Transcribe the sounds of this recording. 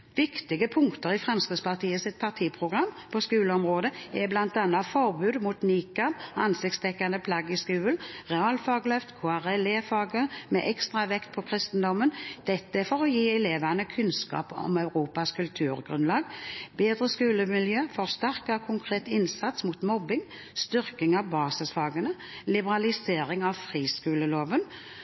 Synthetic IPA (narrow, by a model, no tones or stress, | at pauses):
ʋɪkt̪ɪɡəpʰʊŋkt̪əɾɪfʁɛmskəspʰɑʁt̪ʰiːəsɪt̪̚pʰɑʁt̪ʰiːpʰʁʊɡʁɑmː | pʰɔskʉːləɔmʁoːd̪əɛblɑnt̪ɑnːɑfɔʁbʉːd̪muːt̪niːkɑɑnsɪktst̪ʰɛkːand̪əpʰlɑɡːɪskʉːəlʁɛɑːlfɑːɡlœft̪kʰoːæʁɛleːfɑːɡəmɛ̰ʔɛkst̪ʁɑʋɛkt̪̚pʰɔkʰʁɪst̪n̩d̪ɔmːənd̪̥ɛt̪ːəfɔʁɔjiːɛleːʋɑnəkʰʉnskɑ̰ːpɔ̰mœʉʁuːpɑskʰʉlt̪ʰʉːɾɡʁʉnlɑːɡbeːd̪ʁəskʉːləmɪljøːfɔʁst̪æʁkɑkʰʊŋkʰʁeːt̪ɪnsɑt̪smuːt̪mɔbɪŋ | st̪ʏʁkɪŋɑʋbɑːsɪsfɑːɡənə | lɪbəʁɑlɪseːɾɪŋɑʋfʁiːskʉːləloːʋən